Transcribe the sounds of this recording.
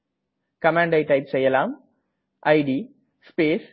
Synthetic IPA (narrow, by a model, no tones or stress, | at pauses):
kɐmãːɳɖɐɪʈɐɪpsɛjːɐlaːm | ʔɐɪɖi | speːs